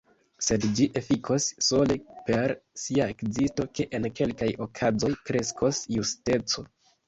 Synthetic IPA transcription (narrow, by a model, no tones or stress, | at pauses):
se̞dd͡ʒiʔe̞fikʰosːo̞lepe̞ɾsiaekzisto̞ke̞ʔenke̞lkajokʰazo̞jkɾe̞skʰo̞sjuste̞t͡so̞